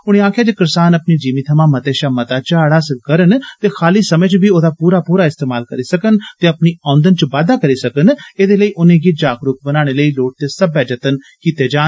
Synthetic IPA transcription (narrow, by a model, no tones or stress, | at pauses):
ʊɽ̃ẽːaːkʰjaːd͡ʒeːkɪɾsaːnəpniːd͡ʒiːmiːt̪ʰəmaːmət̪eːʃaːmət̪aːt͡ʃaːɽaːsəkəɾənt̪eːxʰaːliːsəmə̃ːt͡ʃbiːoːd̪aːpuːɾaːpuːɾaːɪst̪eːmaːlkəɾiːsəkənt̪eːəpniːãːnd̪ənt͡ʃəʋaːd̪aːkəɾiːsəkəneːd̪eːləiːʔʊnẽːɡiːd͡ʒaːkɾʊk̚bənaːɽ̃eːləiːloːʈ̚t̪eːsəbɛːd͡ʒət̪ən | kiːt̪eːd͡ʒaː